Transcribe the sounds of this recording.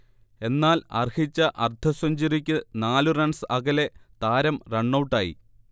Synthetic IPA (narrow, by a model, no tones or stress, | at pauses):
e̞nːaːlɐ̰rhit͡ɕːɐʔɐ̰rt̪ʰɐsɐɲd͡ʑiɾikʲːɨnaːlurɐɳsɨɐɣɐle̞t̪aːɾɐmreɳːɐwʈːaːjḭ